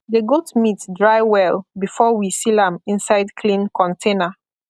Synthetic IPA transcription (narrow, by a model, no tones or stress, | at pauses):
ðəɡoltmitdɹaɪwɛlbifɔwisilãmĩnsaɪdkʰlĩnkʰɔ̃ntʰẽnə